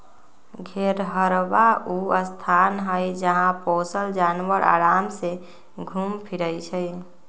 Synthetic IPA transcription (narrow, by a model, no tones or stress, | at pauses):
ɡʱeɾɦəɾbauəst̪ʰanɦəjd͡ʒəɦãposəld͡ʒanwəɾa̰ːɾaːmse | ɡʱumpʰiɾəɪt͡ʃʰəj